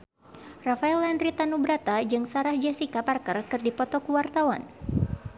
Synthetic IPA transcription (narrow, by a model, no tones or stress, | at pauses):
rafaɛlandɾit̪anubɾat̪ad͡ʒɨŋsaɾahd͡ʒɛsikaparkərkɨrdipɔt̪ɔkuwart̪awa̰n